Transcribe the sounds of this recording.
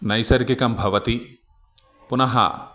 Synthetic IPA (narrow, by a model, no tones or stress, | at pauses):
nɐjsɐɾɡikɐmbʱɐʋɐt̪i | punɐɦɐ̰